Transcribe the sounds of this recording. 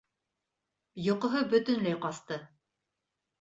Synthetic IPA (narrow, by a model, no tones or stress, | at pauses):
jŏqŏɦɤbɵ̆t̪ɵ̆nlæjqɑst̪ɤ